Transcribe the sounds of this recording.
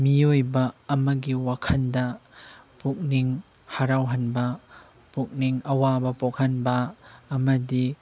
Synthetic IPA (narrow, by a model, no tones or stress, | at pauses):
miojbɐːmɐɡiwakʰɐndɐ | puk̚niŋ | haɾawɦɐnbɐ | puk̚niŋɐwabɐpɔk̚hɐnbɐːmɐdi